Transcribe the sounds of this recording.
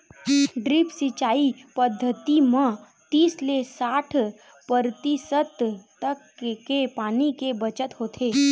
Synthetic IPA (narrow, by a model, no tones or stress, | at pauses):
ɖɾipsɪt͡ʃaːipəd̪ʱːət̪imə̃ | t̪iːslesaːʈʰ | pəɾt̪isət̪t̪ək | kepaːnikebət͡ʃət̪ɦoːt̪ʰeː